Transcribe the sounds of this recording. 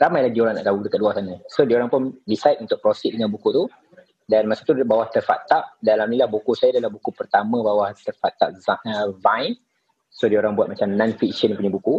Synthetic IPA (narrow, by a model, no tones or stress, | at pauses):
ramajlaɡioɾaŋna̰ʔt̪audəkaʔ̚luasanãsodioɾaŋpʊndisajt̪̚unt̪ʊk̚pɾɔsiʔ̚dəŋãnbukut̪u | danmasḁt̪ubawaht̪ərfat̪aʔ̚dalamnilahbukusajadalahbukupərt̪amə̃bawaht̪ərfat̪aʔ̚zaəvãjn | sodioɾaŋbwat̪̚mat͡ʃamnãnfiksənjpuɲabuku